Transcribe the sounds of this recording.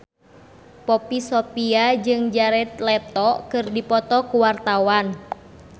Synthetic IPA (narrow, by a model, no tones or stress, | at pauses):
pɔpisɔpiad͡ʒɨŋd͡ʒaɾɛt̪̚lɛt̪ɔkɨrdipɔt̪ɔkuwart̪awan